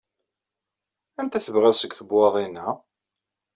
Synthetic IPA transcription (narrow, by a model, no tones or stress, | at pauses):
ænt̪æθəvʁæsəɡθəbwɑðˤinæ